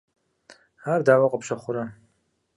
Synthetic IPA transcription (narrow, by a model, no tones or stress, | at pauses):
haɾd̪aːwaqʼɔpʃaχʷʊɾa